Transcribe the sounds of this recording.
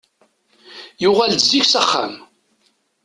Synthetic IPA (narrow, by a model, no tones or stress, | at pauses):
jʊʁæld̪ziçsæχːa̰m